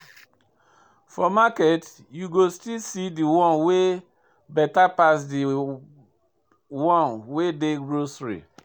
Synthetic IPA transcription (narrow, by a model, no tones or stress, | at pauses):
fɔmakɛt | juɡostilsidiwɔ̃nwe | bɛtapasdi | wɔ̃nwedeɡɹosɹḭ